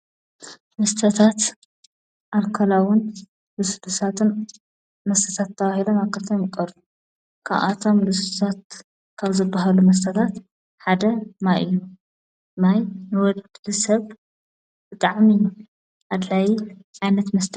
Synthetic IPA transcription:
mɐst̪ʰɐt̪ʰat̪ | ʔaβkʰɐlawʊn | lɨst̪ʰusʰat̪ʰɨn | mɐst̪ʰɐt̪ʰat̪ʰːɐβahilomaβkʰɐt̪ʰɐmjkʼɐɾu | kʰa̰βʔa̰t̪ʰo̞mlɨst̪ʰut̪ʰat̪̚ | kʰaβzɨbːaɦalumɐs̬t̪ʰɐt̪ʰat̪ | ħad̪ɐmajʔɨjːu | majnɨwɔd̪lɨsɐβ | bɨt̪ʼaʕmi | ʔad̪lajʕajnɐt̪mɐst̪ʰ

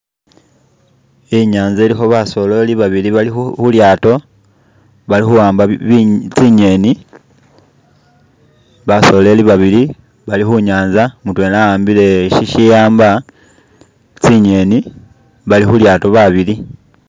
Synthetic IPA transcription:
iɲaːɲzeːlixo̞βaso̞le̞liβaβiliβalixuljaːto̞ | βalixuwaːmbaβt͡siɲe̞ni | βaso̞le̞liβaβili | βalixuɲaːnzamutwe̞ːnajaːmbile̞ʃiʃijaːmba | t͡siɲe̞ni | βalixuljaːto̞βaβili

